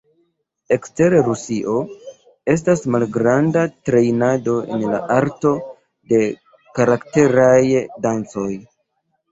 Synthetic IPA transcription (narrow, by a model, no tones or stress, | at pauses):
e̞kste̞ɾeɾusiʔo̞ | e̞s̬tasmalɡɾandatɾe̞jnado̞e̞̰nla̰ʔaɾto̞ | de̞ | kaɾakte̞ɾajdant͡so̞j